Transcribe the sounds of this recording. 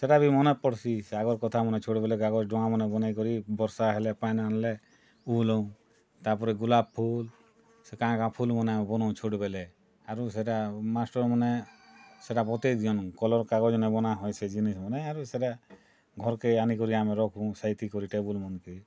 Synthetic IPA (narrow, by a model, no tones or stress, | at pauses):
seʈabimɔnepɔɽsisaɡɔɾkɔt̪ʰamɔnet͡ʃʰoɽbelɛkaɡɔd͡ʒɖɔŋamɔnebɔnajkɔɾibɔɾsaɦɛlepajnanle | ulɔw̃ | t̪apɔɾɛɡulab̚pʰːul | sekããkãpʰulmɔneamebɔnɔũt͡ʃʰoɽbele | aɾus̬eʈamasʈɔɾmɔneseʈapɔt̪ed̪ijɔnkɔlɔɾkaɡɔd͡ʒɔnebɔnaɦɔjsʰed͡ʒinismɔneaɾuseʈa | ɡʱɔɾkeanikɔɾiameɾɔkʰũsajt̪ikɔɾiʈebulmɔnki